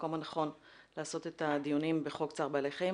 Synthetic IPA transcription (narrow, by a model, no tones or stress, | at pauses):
ko̞manaχo̞n | laːso̞t̪e̞t̪ad̪ijunimbeχokt͡saʁbeale̞χaei